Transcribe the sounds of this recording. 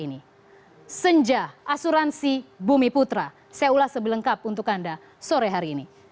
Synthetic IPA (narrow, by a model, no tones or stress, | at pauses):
ini | səɲd͡ʒaasuɾansibumiput̪ɾa | sajaulahsəbiləŋkap̚unt̪ʊkanda | soɾaɦaɾiːni